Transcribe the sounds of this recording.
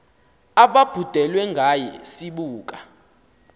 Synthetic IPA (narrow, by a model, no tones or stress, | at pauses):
aɓab̥ʱud̥ʱɛlwɛŋɡʱajɛsiɓuːk̬ʼa